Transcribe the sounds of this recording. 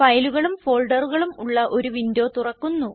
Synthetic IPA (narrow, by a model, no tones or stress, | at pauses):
fɐjluɣɐɭumfo̞ːlɖɐruɣɐɭumuɭːɐʔo̞ɾuʋind̪jo̞ːt̪urɐkːunːu